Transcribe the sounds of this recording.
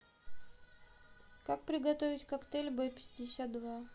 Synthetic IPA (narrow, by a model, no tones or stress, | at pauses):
kak̚pɾʲɪɡɐt̪ovʲɪtʲkɐkt̪elʲbopʲɪ̥dʲɪsʲat̪̚d̪va